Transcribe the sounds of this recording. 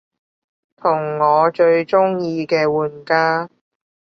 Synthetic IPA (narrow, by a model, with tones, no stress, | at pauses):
t̪ʰʊ˨˩ŋːɔː˨˧t͡ʃɵ˧ɥt͡ʃʊ˥ŋjiː˧kɛː˧wuː˨˧nkaː˥